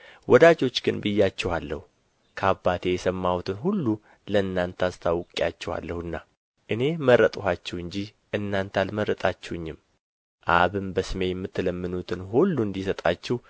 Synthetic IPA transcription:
wɔd̪ad͡ʒo̞t͡ʃːɡɨnbɨjːat͡ʃːɛhalːəhu | kʰəabːat̪ʰejɛsəmːawut̪ʰɨnɦulːu | ləɨnːant̪ʰast̪ʰawkʼjat͡ʃːɛha̰lːəhuɨnːa | ʔɨne̞məɾːət̪ʼhat͡ʃːɛhwɨɲd͡ʒi | ʔɨnːant̪ʰalməɾːət̪ʼat͡ʃːɛwɨɲːɪm | ʔaβɨmbəsɨme̞jɛmːɨt̪ːɨləmːɨnut̪ʰɨnɦulːund̪isət̪ʼat͡ʃːɛh

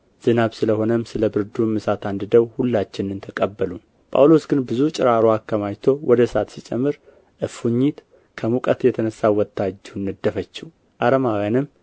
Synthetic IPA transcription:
z̥ɨnaβsɨləho̞nəmsɨləbɨɾd̪umːɨsat̪ʰand̪ɨd̪əwhulːat͡ʃːɪnɨnt̪ʰəkʼəbːəlu | pʰʼa̰wlo̞sɡɨnbɨzut͡ʃʼɪɾaɾoakʰːəmajt̪ʰo̞wʔɔd̪əsat̪sit͡ʃʼɛmːɨɾ | ʔɨfuɲːit̪ | kʰəmukʼət̪jɛt̪ʰənəsːawɔt̪ʰːad͡ʒːunːɨd̪ːəfət͡ʃːɪw | ʔaɾəmawjanɨm

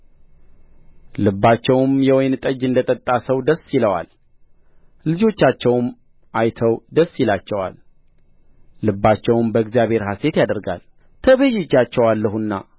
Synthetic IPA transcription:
lɨbːat͡ʃːɛwmjɛwɔjnt̪ʼəd͡ʒɨnd̪ət̪ʼət̪ʼːasəwd̪əsːjɪləwa̰l | lɨd͡ʒo̞t͡ʃːat͡ʃːɛwm | ʔajt̪ʰəwd̪əsːjilat͡ʃːɛwa̰l | ɨbːat͡ʃːɛwmbəɡzijaβhe̞ɾɦase̞t̪jad̪əɾɡa̰l | t̪ʰəβəjɛd͡ʒːat͡ʃːɛwalːəhunːa̰

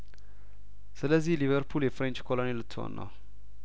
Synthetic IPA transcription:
sɨləzːilivəɾpʰuljefɾɛnt͡ʃkʰolonelɨt̪ʰːwo̰nːə̰w

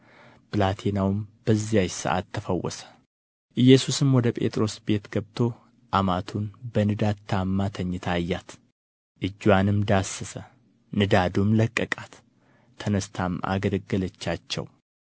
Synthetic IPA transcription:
pɨlat̪ʰenawmb̥əzːijajsə̰ʔa̰t̪ʰːəfəwːɔ̰sə̥ | ʔɨjːɛsusɨmwɔd̪əpʼe̞̰t̪ʼɾo̞sbe̞t̪ɡ̥əβt̪ʰo̞ | ʔamat̪ʰunbənɨd̪ad̪t̪ʰamːat̪ʰəɲːɪt̪ʰajːat̪ | ʔɨd͡ʒːwanɨmd̪asːəsə | nɨd̪ad̪umləkʼːəkʼat̪ʰː | ənəst̪ʰama̰ɡələɡːələt͡ʃːat͡ʃːɛ̰w

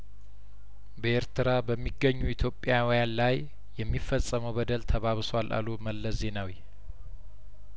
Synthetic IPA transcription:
bəeɾt̪ʰɨɾabəmːiɡːəɲːuit̪ʰjo̞pʼjawɔjanlaj | jɛmːifːəsʼːəməwbəd̪əlt̪ʰəβaβswalʔa̰luməlːəsze̞nawi

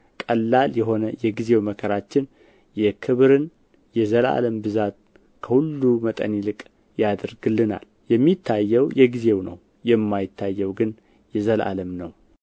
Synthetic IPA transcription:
kʼəlːaljɛɦo̞nəjɛɡize̞wməkʰəɾat͡ʃːɪn | jɛkʰɨβɾɨn | jɛzəla̰ləmbɨzat̪ | kʰəhulːumət̪ʼə̰nilɨkʼ | jad̪əɾɡɨlːɨna̰l | jɛmːit̪ʰːajːɛwjɛɡize̞wnə̰w | jɛmːajɪt̪ʰːajːɛwɡɨn | jɛzəlʔa̰ləmnəw

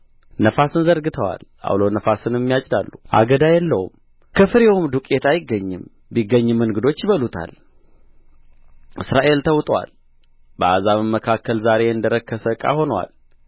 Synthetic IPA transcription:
nəfasɨnzəɾɡɨt̪ʰəwa̰l | a̰wlonəfasɨnɛmːijat͡ʃʼd̪alːuʔa̰ɡəd̪ajɛlːəwṵm | kʰəfɨɾewumd̪ukʼet̪ʰajɪɡːəɲːɨm | biɡːəɲːɨmːɨnɡɨd̪o̞t͡ʃːjɪβəlut̪ʰa̰l | ʔɨsɾaʔe̞lt̪ʰəwt̪ʼwa̰l | bəazaβɨmːəkʰakʰːəlzaɾe̞ɨnd̪əɾəkːəsəkʼa̰ho̞nwa̰l

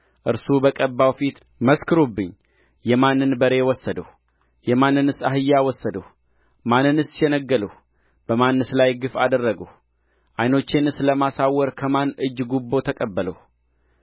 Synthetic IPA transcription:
ʔɨɾsubəkʼəbːawfit̪ | məskʰɨɾubːɨɲː | jɛmanːɨnbəɾe̞wɔsːəd̪əh | jɛmanːɨnɨsaɦɨjːawɔsːəd̪əh | manːɨnɨsjɛnəɡːələh | b̥əmanːɨslajɡɨfad̪ərːəɡəh | ʔajno̞t͡ʃːenɨsləmasawːɔɾkʰəmanɨd͡ʒːɡubːo̞t̪ʰəkʼəbːələh

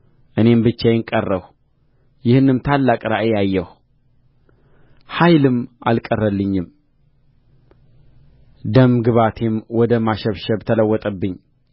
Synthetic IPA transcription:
ʔɨne̞mbɨt͡ʃːajɪŋkʼərːəw | jɪhnːɨmt̪ʰalːakʼɾaʔejajːɛh | hajlɨmʔalkʼərːəlːɨɲːɪm | d̪əmɡɨβat̪ʰemwɔd̪əmaʃɛβʃɛbt̪ʰələwːɔt̪ʼəbːɨɲː

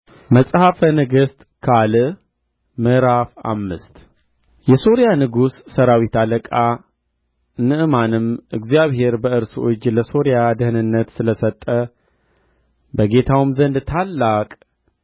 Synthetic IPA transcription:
məsʼhafənɨɡɨst̪ʼ | kʰalɨ | mɨɾafa̰mːɨst̪ | jɛso̞ɾjanɨɡusːəɾawit̪ʰaləkʼa | nɨʔɨmanɨmʔɨɡzijaβhe̞ɾbəɨɾso̰t͡ʃːləso̞ɾjad̪ɨhɨnɨnːət̪sɨləsət̪ʼːə | bəɡe̞t̪ʰawɨmzənd̪t̪ʰalːakʼ

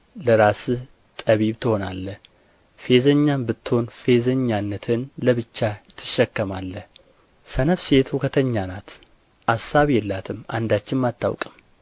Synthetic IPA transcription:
ləɾasɨ | t̪ʼəβiβt̪ʰɨho̞nalːə | fe̞zəɲːambɨt̪ːɨho̞nfe̞zəɲːanːət̪ʰɨnləβɨt͡ʃːajɛt̪ʰːɨ̥ʃːɛkːəmalːə | sənəβse̞t̪hukʰət̪ʰəɲːanat̪ | ʔasːaβjɛlːat̪ʰɨma̰nd̪at͡ʃːɪnmat̪ːa̰wkʼɨm

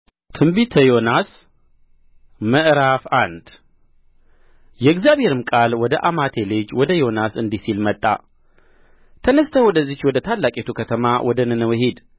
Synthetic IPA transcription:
t̪ʰɨmbit̪ʰəjo̞nas | məʔɾafand̪ | jɛɨɡzjaβhe̞ɾɨmkʼalwɔd̪əʔamat̪ʰeled͡ʒwɔd̪əjo̞nasɨnd̪isilmət̪ʼːa̰ | t̪ʰənəst̪ʰəwɔd̪əzːit͡ʃwɔd̪ət̪ʰalːakʼet̪ʰukʰət̪ʰəmawʔɔd̪ənɨnəwhed̪

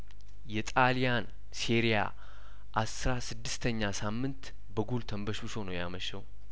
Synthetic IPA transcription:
jɛt̪ʼalijan | siɾija̰ | ʔasɾasɨd̪ːɨst̪ʰəɲːasamːɨnt̪ | bəɡult̪ʰəmbəʃuʃonəwjaməʃəw

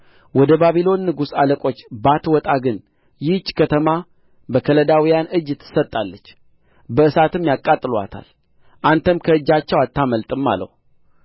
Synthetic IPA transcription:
wɔd̪əbaβilo̞nːɨɡusaləkʼo̞t͡ʃːbat̪wɔt̪ʼaɡɨn | jɪt͡ʃʼːkʰət̪ʰəma | bəkʰələd̪awijanɨd͡ʒɪt̪ʰːɨ̥sət̪ʼːalːət͡ʃː | bəɨsat̪ɨmjakʼːat̪ʼɨlwa̰t̪ʰa̰l | ʔant̪ʰəmkʰəɨd͡ʒːat͡ʃːɛwat̪ʰːaməlt̪ʼɨmːa̰lə̰w

